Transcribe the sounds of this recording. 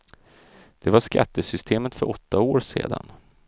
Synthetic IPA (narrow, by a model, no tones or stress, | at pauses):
d̪̥ɛvaʂka̰t̪ːəsʏst̪ʰeːmət̪fœɾʔɔt̪ːaoːɾʂḛːd̪a̰n